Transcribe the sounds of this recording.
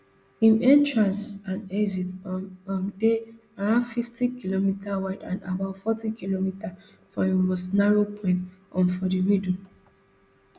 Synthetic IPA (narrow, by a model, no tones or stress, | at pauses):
ĩmɛ̃ntɹãnsãnɛzitɔɔ̃nde | aɹãdfiftikilomitʰawaɪdã̰na̰baʊtfɔtikilomita | fɔ̃imostnaɹopʰɔ̃ɪ̃ntɔ̰̃nfɔdimidl